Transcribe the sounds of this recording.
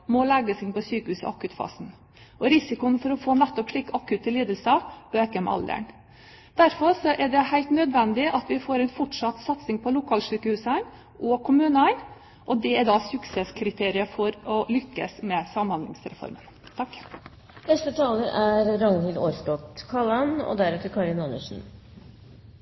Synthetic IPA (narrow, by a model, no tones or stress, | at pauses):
mɔlɛɡəsɪnpɔsyːkəhʉːsɪ̰ʔɑ̰kʉːt̪fɑ̰ːsn̩ | ʔɔɾɪsɪkʊnfɔɾɔfoːnɛt̪ːɔpʂɭɪkːɑkʉːt̪ʰːɪliːd̪əlsɑpɔɛːkəmʔɑ̰ld̪ə̰ɳ | d̪̥æɾfɔɾʂɔʔæɖɛhæɪlt̪nœd̪ʋɛnd̪ɪʔɑt̪ʋɪfoːɾɛɪnfɔʈʂɑt̪ːsɑt̪sɪŋpʰɔlʊkʰɑːlʂyːkəhʉːsæɪn | ʔɔkʰʊmʉːnəæɪn | ʔɔd̪ɛæd̪ɑsʉksɛskʰɾɪt̪ʰeːɾɪəfɔɾɔlʏkːə̰smɛsɑmhɑnd̪lɪ̰ŋsɾɛ̰fɔ̰ɾmən | t̪ʰɑkː | nɛst̪ət̪ʰɑːləɾæɾɾɑŋhɪld̪oːɾsk̪ɔt̪kʰɑlɑnɔ̰d̪æɾɛt̪əɾkʰɑɭɪnɑnːə̰ʂn̩